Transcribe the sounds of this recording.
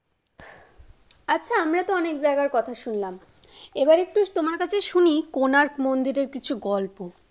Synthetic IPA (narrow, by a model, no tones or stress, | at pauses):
atːɕʰaamɾat̪oɔnekd͡ʑaeɡaɾkɔt̪ʰaʃunlam | ebaɾek̚ʈut̪omaɾkat͡ɕʰeʃunikonaɾkmond̪iɾeɾkit͡ɕʰuɡɔlpo